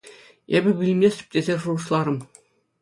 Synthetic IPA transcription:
ebʲɘ̆bʲilʲĭmʲlʲesʲy̥p̚ʲtʲezʲeʐuʁɤ̆ʃlˠɑɾɤ̆m

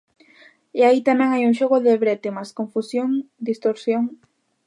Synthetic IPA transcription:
eait̪amɛ̃ŋajuŋʃoɣ̞oðeβɾɛt̪emaskõɱfusjoŋd̪ist̪oɾsjoŋ

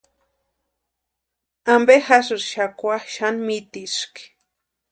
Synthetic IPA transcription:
ambexasɨɾʃakʷaxʃanmit̪iʃki̥

